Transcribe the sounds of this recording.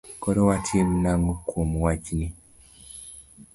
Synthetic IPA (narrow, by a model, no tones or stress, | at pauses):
koɾowatʰim̩naŋɡukʰumuwaɟini